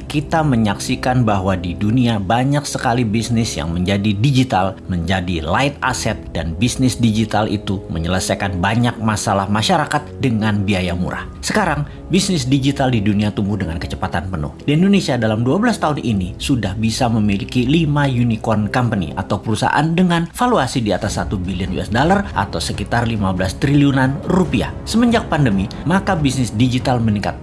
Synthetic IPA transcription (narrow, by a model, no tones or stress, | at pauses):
kit̪aməɲaksikanbaɦwadiduniabaɲaksəkalibisnɪsja̰ŋməɲd͡ʒadidid͡ʒit̪alməɲd͡ʒadilaɪt̪̚a̰sɛt̪̚danbisnɪsdid͡ʒit̪alʔḭt̪uməɲələsajkanbaɲak̚masalahmaʃaɾakat̪̚dəŋanbiajamṵɾa̰h | səkaɾaŋ | bisnɪs̬did͡ʒit̪aldiduniat̪umbudəŋankət͡ʃəpat̪anpənʊ̰hdiindonesiadalamduabəlast̪aɦʊnʔinisudahbisaməmilikilimajunikɔnkampənḭʔa̰t̪awpəɾusa̰ʔa̰ndəŋanfaluasidiat̪asːat̪ubiliənjṵɛ̰sdolarʔa̰t̪awsəkit̪arlimabəlast̪ɾiliunanrupia̰ | səməɲd͡ʒak̚pandəmi | makabisnɪsdid͡ʒit̪alməniŋka̰t̪̚